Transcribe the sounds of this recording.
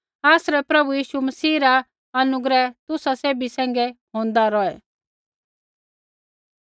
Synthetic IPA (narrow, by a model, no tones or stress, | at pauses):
aːsɾɛpɾɐbujiːʃumɐsiːɾa | ɐnʊɡɾɛt̪ʊsaseːbisɛ̃ːŋɡɛ | õːnd̪aɾɔɛ